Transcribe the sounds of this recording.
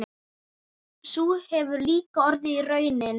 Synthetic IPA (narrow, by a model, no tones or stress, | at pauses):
suhɛvʏɾliːkaɔɾðɪirœːɥnɪn